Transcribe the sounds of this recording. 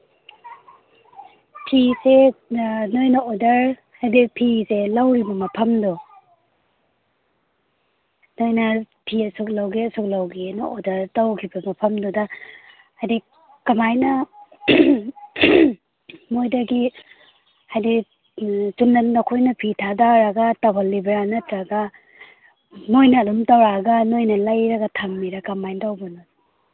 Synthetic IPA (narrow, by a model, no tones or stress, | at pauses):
pʰise | nojnɐodɐɾ | hajdipʰiselawɾibɐmɐpʰɐmdɔ | nojnɐ | pʰiɐsuk̚lawɡeɐsuk̚lawɡenaʔodɐɾdawkʰibɐmɐpʰɐmdɔda | ajdi | kɐmajnɐ | mojdɐɡi | hajdi | sunːɐnnɐkʰojnɐpʰitʰadaɾɐɡatabalːibɐɾanɐtɾɐɡa | nojnɐːlumtawɾaɡɐnojnɐlajɾɐɡɐtʰɐmːiɾakɐmajntawbɐnud